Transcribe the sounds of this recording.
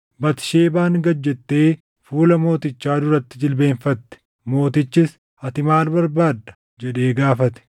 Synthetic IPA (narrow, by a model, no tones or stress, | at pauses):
bɐt̪ɪ̥ʃe̞ːbaːŋɡɐd͡ʒːɛt̪ːe̞ː | fuːlɐmo̞ːt̪ɪt͡ʃːaːd̪ʊɾɐt̪ːɪd͡ʒɪlbe̞ːnfɐt̪ːɛ̥ | mo̞ːt̪ɪt͡ʃːɪs | ɐt̪ɪmaːlbɐɾbaːd̪ːɐ̥ | d͡ʒɛᶑe̞ːɡaːfɐt̪ɛ̥